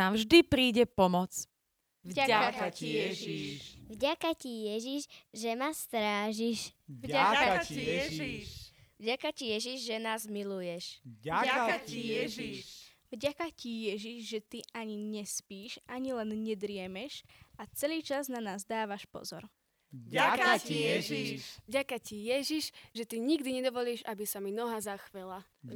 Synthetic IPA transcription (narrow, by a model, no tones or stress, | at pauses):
aːmʒd̪ipɾiːɟɛpɔmɔt͡s | vaaiɛʒiʃvɟakacijɛʒiʃʒɛmast̪ɾaːʒiʃvɟakaɛ | vɟakacijɛʒiʒʒɛnaːzmilujɛʃaiɛʒi | vɟakacijɛʒiʃʒɛt̪iaɲiɲɛspiːʃaɲilɛnɲɛd̪ɾɪɛmɛʃat͡sɛliːt͡ʃaznanaːzd̪aːʋaʃpɔ̰zɔ̰ɾ | aiɛivɟakacijɛʒiʃʒɛt̪iɲiɡd̪iɲɛd̪ɔʋɔliːʒabisaminɔɦazaxʋɛla